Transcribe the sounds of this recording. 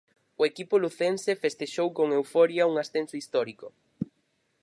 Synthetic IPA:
ʊekipʊluθensefest̪eʃowkoŋewfɔɾjɐuŋasθensʊist̪ɔɾikʊ

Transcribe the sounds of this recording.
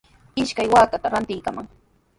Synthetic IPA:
ɪʃkajwaːkat̪aɾant̪ɪjkamaŋ

